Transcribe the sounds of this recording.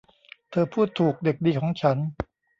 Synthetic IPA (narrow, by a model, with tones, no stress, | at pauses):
t̪ʰɤː˧pʰuː˥˩t̪ʰːuː˨˩k̚de˨˩k̚diː˧kʰɔː˩˦ŋt͡ɕʰa˦˥n